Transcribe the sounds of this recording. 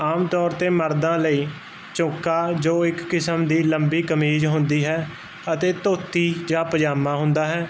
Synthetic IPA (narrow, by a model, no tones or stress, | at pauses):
aːmt̪ɔːɾt̪eːməɾd̪ãːləiː | t͡ʃõːkaːd͡ʒoːɪkːɪsəmd̪iːləmbiːkəmiːd͡ʒɦʊ̃nd̪iːɦɛː | ət̪eːt̪oːt̪iːd͡ʒãːpəd͡ʒaːmaːɦʊnd̪aːɦɛː